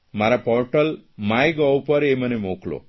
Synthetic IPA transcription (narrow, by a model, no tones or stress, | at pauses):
mɐɾɐpoːɾʈɐlmajɡɔwpɐɾeːmɐnemoːklo̰